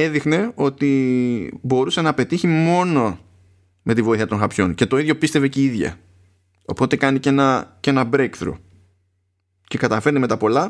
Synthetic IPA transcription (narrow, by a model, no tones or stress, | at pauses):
e̞ðixne̞o̞t̪i | bo̞ɾuse̞nɐpe̞t̪içimo̞no̞ | me̞t̪ivo̞iθiɐt̪o̞ŋxɐpço̞nce̞t̪o̞iðʝo̞pist̪e̞ve̞ceiðʝɐ̰ | o̞po̞t̪e̞kɐnice̞nɐce̞nɐbɾekθɾṵ | ce̞kɐt̪ɐfeɾnime̞t̪ɐpo̞lɐ